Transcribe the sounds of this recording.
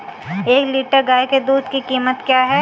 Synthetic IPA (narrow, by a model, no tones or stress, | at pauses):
eːkliːʈəɾɡaːjked̪uːd̪kikiːmət̪kjaːɦɛː